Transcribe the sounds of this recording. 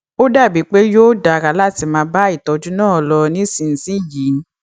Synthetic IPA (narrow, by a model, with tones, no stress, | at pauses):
o˦da˦˨bi˨˦k͡pe˦joː˦da˨ɾa˨˦la˦˨ti˧˦mãː˧˦ba˦i˦˨tɔ˨˧d͡ʒu˨˦nãː˦˨lɔ˧nĩ˦sĩ˧˨n̩˨sĩ˦ji˨˦n̩˦